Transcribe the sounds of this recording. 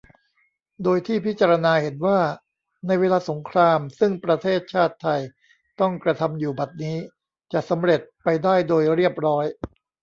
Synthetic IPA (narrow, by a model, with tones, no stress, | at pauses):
doː˧jt̪ʰiː˥˩pʰi˦˥t̪̚t͡ɕaː˧ɾa˧naː˧he˩˦nwaː˥˩ | na˧jweː˧laː˧so˩˦ŋkʰɾaː˧msɯ˥˩ŋpɾa˧t̪ʰeː˥˩t̪̚t͡ɕʰaː˥˩t̪ʰːa˧j | t̪ɔ˥˩ŋkɾa˧t̪ʰa˧mjuː˨˩ba˨˩t̪̚niː˦˥ | t͡ɕa˨˩ʔsa˩˦mɾe˨˩t̪̚pa˧jdaː˥˩jdoː˧jɾi˥˩əp̚ɾɔː˦˥j